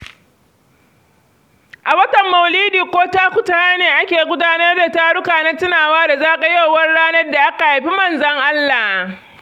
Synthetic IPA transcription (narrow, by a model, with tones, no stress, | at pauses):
ʔa˨wɐ˦tɐ˨mːɐ˨wliː˦diː˨kʷoː˦taː˦kʷʊ˨ta˦aː˦neː˨ʔa˦kʲeː˨ɡʷʊ˦daː˦nɐ˦rda˨taː˦ɽʊ˦kaː˨na˦tɪ˦naː˨waː˦da˨zaː˦ka˨jo˦wwɐ˦rɽaː˦nɐ˦rda˨ʔa˦ka˨ha˨ɸi˦mɐ˦˨nzɐ˦ŋʔa˦lːa˨h